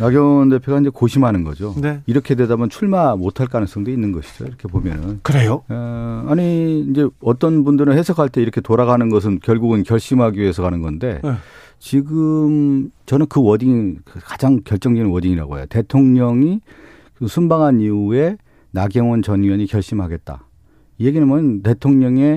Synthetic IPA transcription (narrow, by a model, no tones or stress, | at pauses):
naɡjʌŋʌnde̞pʰjoɣaind͡ʑekoɕʰimɦanɯnɡʌ̰d͡ʑoneiɾʌkʰe̞dwe̞damjʌnt͡ɕʰuɭmamotʰaɭk͈anɯŋs͈ʌŋdoinːɯnɡʌɕʰi̥d͡ʑo̰iɾʌkʰe̞pomjʌnɯnkɯɾejo | aɲiind͡ʑe̞ʌt͈ʌnbundɯɾɯnhe̞sʰʌkʰaɭt͈e̞iɾʌkʰe̞toɾaɣanɯnɡʌs̬ʰɯnkjʌɭɡuɡɯnkjʌɭɕ͈imɦaɡiɥie̞sʰʌkanɯnɡʌnde̞ | t͡ɕiɡɯmt͡ɕʌnɯnkɯwʌdiŋikad͡ʑaŋkjʌɭt͡ɕ͈ʌŋdinɯnwʌdiŋiɾa̰ɡo̰ḛjo̰te̞tʰoŋɲʌŋi | kɯsʰunbaŋɦaniue̞ | naɡjʌŋwʌnt͡ɕʌnɡjʌɲikjʌɭɕ͈imɦaɡe̞t̚t͈a̰ | ije̞ɡinɯmʌʌnte̞tʰoŋɲʌŋe̞